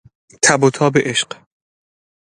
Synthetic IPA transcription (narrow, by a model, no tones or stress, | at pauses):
t̪ʰæbot̪ʰɒːbeʔeʃq